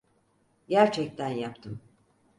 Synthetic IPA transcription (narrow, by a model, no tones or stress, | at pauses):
ɟæɾt͡ʃʰɛc̚t̪ʰænjapt̪ʰɯm